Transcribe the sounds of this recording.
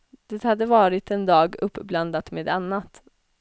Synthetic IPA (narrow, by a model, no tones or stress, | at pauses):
d̪̥ɛt̪had̪ːəvɑːɾɪt̪ɛnd̪ɑːɡɵpːbland̪at̪meːd̪anːat̪